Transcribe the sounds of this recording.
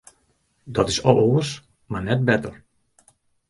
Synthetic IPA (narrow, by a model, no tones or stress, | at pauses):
dɔtɪsɔloəs | marnɛt̚bɛtər